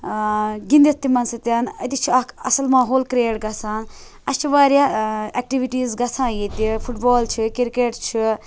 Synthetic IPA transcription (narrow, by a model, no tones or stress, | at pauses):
ɡĩnd̪it̪ːimɐnsɨt̪ʲɐːnɐ̰t̪it͡ʃʰiɐɐ̰sɐlmãːɦoːlkɾeːʈɡɐt͡sʰãːn | ɐst͡ʃʰiʋaːɾaɛk̚ʈiʋiʈiːzɡɐt͡sʰãːjit̪ipʰuʈbɔːlt͡ʃʰikiɾkeːʈt͡ʃʰi